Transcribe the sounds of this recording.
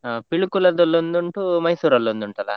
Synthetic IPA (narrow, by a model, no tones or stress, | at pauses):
apiɭukulɐd̪olːond̪uɳʈumɐjsuːɾɐlːond̪uɳʈɐla̰